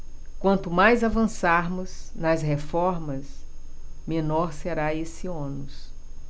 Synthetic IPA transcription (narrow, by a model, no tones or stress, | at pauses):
kwɐ̃nt̪ʊmajzavɐ̃saɾmʊznɐzɦefɔɾmɐs | mẽnɔɾseɾaesiõnʊs